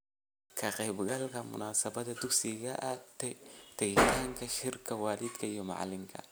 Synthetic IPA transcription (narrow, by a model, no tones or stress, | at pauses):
kʰɐqɛjbɡɐlkʰɐmʊ̰naːsɐbɐd̪ɐd̪ʊɡsɪɣɐʔɐt̪ɛt̪ɛɣɪt̪ʰaːŋkʰɐʃɪrkʰɐwaːlɪd̪kʰɐijɔmɑ̰ʕ̰lɪŋkʰɐ̰